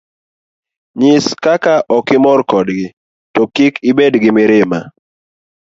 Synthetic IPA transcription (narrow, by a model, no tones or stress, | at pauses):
ɲɪskakaʔɔkɪmɔɾkɔdɡɪ | tɔkikɪbedɡɪmɪɾɪma̰